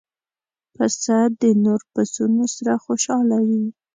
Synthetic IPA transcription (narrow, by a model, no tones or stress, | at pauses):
pasad̪ənoɾpasunosaɾaxoʃɑlawi